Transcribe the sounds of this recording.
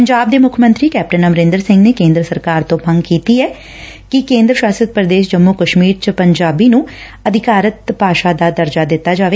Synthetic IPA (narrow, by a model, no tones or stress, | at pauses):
pəɲd͡ʒaːb̚d̪eːmʊkʰəmə̃nt̪ɾiːkɛːp̚ʈənəməɾɪ̃nd̪əɾsɪ̃ŋɡneːkẽːnd̪ɾəsəɾkaːɾt̪õːpʰə̃ŋɡkiːt̪iːɛː | kɪkẽːnd̪ɾəʃwaːsət̪̚pɾəd̪eːʃd͡ʒəmːʊkəʃmiːɾt͡ʃəpəɲd͡ʒaːbiːnũː | əd̪ʱɪkaːɾət̪paːʃaːd̪aːd̪əɾd͡ʒaːd̪ɪt̪ːaːd͡ʒaːʋeː